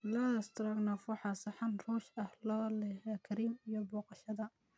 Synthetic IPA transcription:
laːst̪ʰɾɐɡnɔfwɑħɑːsɑħɑnruːʃɐhlɔːlɛɦɛkʰɐɾiːmijɔbɔːqɑʃɐðɐ

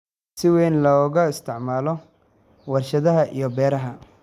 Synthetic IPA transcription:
sɪwɛːnlɔːɣɐɪst̪ʰɪʕmaːlɔ | wɐrʃɐðɐɦɐʔḭjɞbɛːɾɐɦɐ

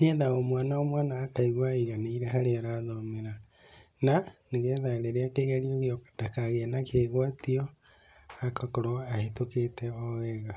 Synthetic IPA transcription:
niɛðaomwanaomwanaːkaiɣwaiɣaneiɾɛɦaɾeaɾaðɔmeɾa | naneɣɛðaeɾeɾeakeɣaɾioɣeɔdakaɣenakeɣwatiɔ | akakoɾoahetoketɛɔɛɣa

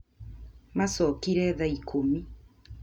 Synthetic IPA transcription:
masɔkiɾɛðaikʰomi

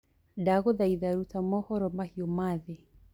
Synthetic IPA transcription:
daɣɔðaiðaɾutamɔhɔɾɔmahiɔmaði

